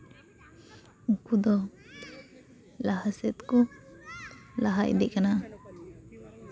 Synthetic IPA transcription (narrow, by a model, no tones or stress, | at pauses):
ukud̪ɔ | laɦasɛt̪kɔ | laɦacd̪ɛʔkana